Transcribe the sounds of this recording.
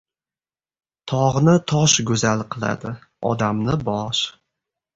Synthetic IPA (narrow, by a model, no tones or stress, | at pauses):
t̪ʰɒʁnɪt̪ʰɒʃɡɵzalˠqʰɨlˠa̰d̪ɪ | ɒ̰d̪amnɪbɒʃ